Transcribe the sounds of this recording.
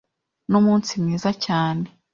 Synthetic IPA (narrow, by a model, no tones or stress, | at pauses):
numuːnsimŋiːzacaːne̞